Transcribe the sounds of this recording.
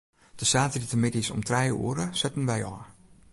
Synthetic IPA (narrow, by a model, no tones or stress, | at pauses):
d̥əsaːtəritəmɪdisɔ̰mtrɛjṵəɾəsɛtən̩ʋɛjɔ̰ː